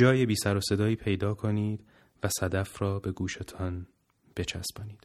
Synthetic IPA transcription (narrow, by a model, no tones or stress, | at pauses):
d͡ʒɒːjebiːsæɾose̞d̪ɒːiːpʰe̞jd̪ɒːkʰo̞niːd̪̥ | væsæd̪æfɾɒːbe̞ɡuːʃet̪ʰɒn | b̥e̞t͡ʃʰæ̰sb̥ɒːniːd̪̥